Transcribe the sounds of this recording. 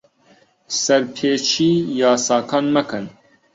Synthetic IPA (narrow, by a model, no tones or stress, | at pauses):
sɛɾpʰeːt͡ʃʰiːjɑːsɑːkʰɑːnmɛkɨn